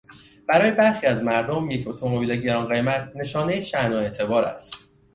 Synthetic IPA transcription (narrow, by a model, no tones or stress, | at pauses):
b̥æɾɒːjebæɾxiːæzmæɾd̪omjecʰot̪ʰo̞mo̞bileɟe̞ɾɒːnɢe̞jmæt̪ʰne̞ʃɒːne̞jeʃænoe̞t̪ʰe̞bɒːɾæ̰st̪